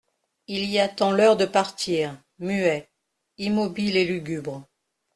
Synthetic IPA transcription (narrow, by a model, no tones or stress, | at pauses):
iliat̪ɑ̃lœʁd̪əpaʁt̪ʰiːʁ | myɛ | imɔbilelyɡʲybʁ